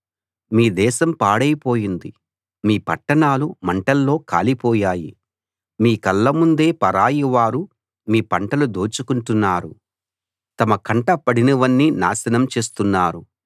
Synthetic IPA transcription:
miːd̪ɛːʃɐmpaːɽɐjpo̞ːjind̪i | miːpɐʈːɐɳaːlumɐɳʈɐlːo̞ːka̰ːlipɔːjaːjḭ | miːkɐlːɐmund̪e̞ːpɐɾaːjiʋaːɾu | miːpɐɳʈɐlud̪oːt͡ʃukuɳʈunːaːɾu | t̪ɐmɐkɐɳʈɐpɐɽinɐʋɐnːina̰ːsɐnɐmt͡ʃe̞ːst̪unːaːɾu

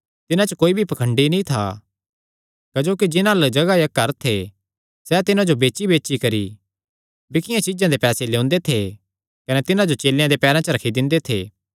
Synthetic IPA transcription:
t̪ɪnãt͡ʃəkoːibʱipɐkʰə̃ɳɖinĩt̪ʰa̰ | kɐd͡ʒoːkid͡ʒɪnãld͡ʒɐɡajɐkːɐɾt̪ʰe | sɛt̪ɪnãd͡ʒobeːt͡ʃibeːʃikɐɾḭ | bɪkʰɪjãt͡ʃɪd͡ʒãd̪epɛːseleʊ̃nd̪et̪ʰe | kɐnɛt̪ɪnãd͡ʒot͡ʃeːlɪjãd̪epɛːɾãt͡ʃəɾɐkʰid̪ɪ̃nd̪et̪ʰḛː

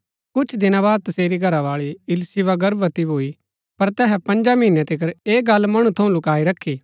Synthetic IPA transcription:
kʊt͡ʃʰd̪ɪñabaːd̪̚t̪ɐseːɾiɡʱɐɾaʋaːɭiɪlsɪʋaɡɐɾbɐt̪iboːi | pɐɾt̪ɛːɦɛpɐ̃nd͡ʒaminɛ̃t̪ɪkəɾeːɡɐlmɐɽ̃ũt̪ʰɐũlʊkaːiɾɐkʰːiː

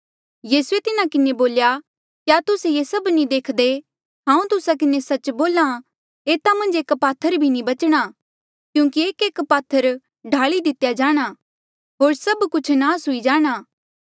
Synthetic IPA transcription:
jiːsuet̪ɪnakɪneboːlja | kjaːt̪ʊsejesɐbnid̪eːkʰd̪e | ɦãːũt̪ʊsak̬ɪnesɐt͡ʃboːlã | eːt̪amɐ̃nd͡ʒeːkpaːt̪ʰəɾbʱinibɐt͡ʃɽ̃a | kjũːkieːkeːkpaːt̪ʰːəɾ | ɖʱaːɭid̪ɪt̪jad͡ʒaːɽ̃a | ɦoːɾsɐbkʊt͡ʃʰnaːsɦʊid͡ʒaːɽ̃aː

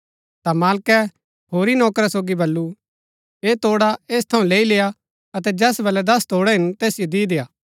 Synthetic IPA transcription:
t̪amaːlkɛ | ɦoːɾinɔːkɾasoːɡibɐlːu | eːt̪oːɽaeːst̪ʰɐũleːileːja | ɐt̪̬ɛd͡ʒɛːsbɐlɛd̪ɐst̪oːɽɛɦɪnt̪eːsɪjod̪id̪eːaː

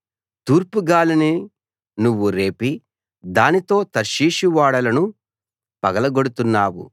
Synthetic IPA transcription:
t̪uːɾpuɡaːlɐni | nuʋːuɾe̞ːpi | d̪aːnit̪o̞ːt̪ɐɾʃiːʃiʋaːɽɐlɐnu | pɐɡɐlɐɡoɽut̪unːaːwṵ

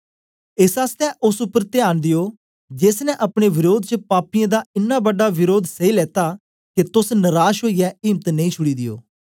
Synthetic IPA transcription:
ɪsaːst̪ɛːʔʊsʊpːəɾt̪ɪjaːnd̪ɪjoː | d͡ʒesnɛ̃ʔəpɽ̃eːʋɪɾoːd̪̚t͡ʃəpaːpɪjãːd̪aːɪnːaːbəɖːaːʋɪɾoːd̪səiːlɛːt̪aː | ket̪ʊsnəɾaːʃɦoːiːɛːɪːmət̪nəĩːt͡ʃʰʊɽiːd̪ɪjo̰ː

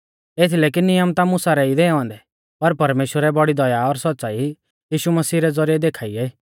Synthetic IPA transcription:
eːt̪ʰileːk̬inːɪjəmt̪amʊsaɾɛid̪eːɔ̃ːnd̪ɛ | pɐɾpɐɾmeːʃwəɾɛbɔɽid̪ɔjaɔɾsɔt̪ːsaːi | jiːʃuməsiːɾɛd͡zɔɾijɛd̪eːkʰaːiɛ

